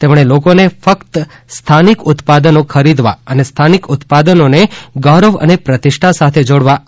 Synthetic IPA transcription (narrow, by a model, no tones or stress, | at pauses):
t̪emɳ̃elokonefəkt̪ | st̪ʰanikʊt̪pad̪ənõkʰəɾid̪ʋa̰ənest̪ʰanikʊt̪pad̪ənoneɡaɾəʋə̰nepɾət̪ɪʃʈʰasat̪ʰed͡ʒoɽʋa